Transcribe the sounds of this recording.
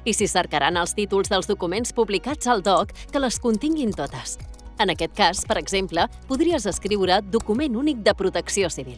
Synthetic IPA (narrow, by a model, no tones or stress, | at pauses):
isisəɾkəɾʔa̰nəlˠst̪it̪ulˠzðəlˠzðukumenspuβlikḁd͡zəlˠd̪ɔkːələskunt̪iŋɡint̪ot̪əsənəkɛt̪̚kaspəɾəɡzemplə | puðɾiəzəskɾiwɾəd̪ukumenunik̚d̪əpɾut̪əksiosiβilˠ